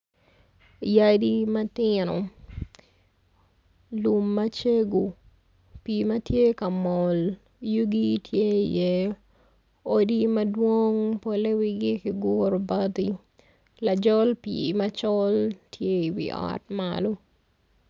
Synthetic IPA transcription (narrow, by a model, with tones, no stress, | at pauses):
ja˦dimɐ˦tɪnɔ˨ | lumːɐt͡ʃe˦ɡu˨ | pimɐ˦tje˦ka˨mɔ˨l | ju˦ɡi˦tʰje˦jɛ˦ | o˦dimɐ˦dwo˦ŋpo˨le˦wiɡi˦ki˨ɡʊ˦ɾba˦ti | lad͡ʒɔ˦lpḭ˨mɐt͡ʃɔltʰje˦i˨wḭ˨ʔɔ̰˨tma̰lo˦